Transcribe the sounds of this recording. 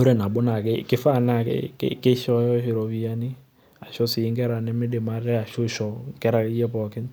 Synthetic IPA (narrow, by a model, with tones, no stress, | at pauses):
o˦ɾɛ˦˨na˨bo˦na˨ke˦ke˦fa˦˨na˦˨kkke˦ʃɔ˦jɔ˦ʃe˨ɾɔ˨βi˦a˦ni˦ | a˨ʃɔ˦si˨ŋɡɛ˦ɾa˨ne˦me˦ɗe˨ma˦ɾɛ˦a˨ʃo˦ʃɔ˨ŋkɛ˦ɾa˨˦jɛ˦pɔ˨kɪ˦n